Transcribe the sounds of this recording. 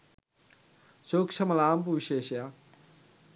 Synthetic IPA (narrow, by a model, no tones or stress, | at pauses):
soːkt͡ʃʰɐmɐlaːmpuʋiɕeːɕja